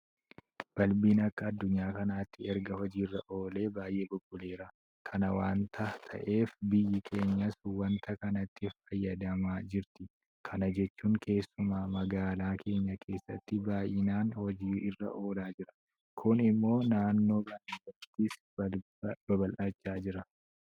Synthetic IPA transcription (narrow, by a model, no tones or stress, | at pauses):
b̥ɐlbiːnɐkːɐːd̪ːʊɲːaːkɐnaːt̪ːɪɛɾɡɐhɔd͡ʒiːrːɐʔo̞ːle̞ːbaːjʔeːbʊɡːʊle̞ːɾɐ | kʰɐnɐwaːnt̪ʰɐt̪ʰɐ̰ʔe̞ːfbɪjːɪkʰe̞ːɲːɐswɐnt̪ʰɐkɐnɐt̪ːɪffɐjːɐd̪ɐmaːd͡ʒɪɾt̪ɪ | kʰɐnɐd͡ʒɛt͡ʃːuːŋkʰe̞ːsːʊmaːmɐɡaːlaːkʰe̞ːɲːɐkʰe̞ːsːɐt̪ːɪbaːjɪnaːnhɔd͡ʒiːɪrːɐ̰ʔo̞ːlaːd͡ʒɪɾɐ̥ | kʰʊnɪmːo̞ːnaːnːo̞ːkɐnɪɐt̪ːɪs | bɐbɐlʔɐt͡ʃːaːd͡ʒɪɾɐ